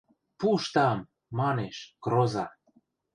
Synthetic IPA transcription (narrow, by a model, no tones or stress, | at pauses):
puʃt̪ɑmː | ɑneʃkɾozɑ